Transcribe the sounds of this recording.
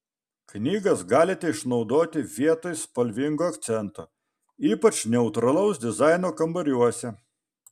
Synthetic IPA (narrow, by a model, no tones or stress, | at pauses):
knʲiːɡɐsɡɑːlʲɪt̪ʲɛɪʃnɒʊd̪oːt̪ʲɪʋʲiɛt̪oːjspɐlʲʋʲɪŋɡoːɐkt̪sʲɛnt̪o̰ | iːpɐt͡ʃnʲɛʊt̪ɾɐlˠɔʊsd̪ʲɪzɑˑɪnoːkɐmbɐɾʲuɔsʲɛ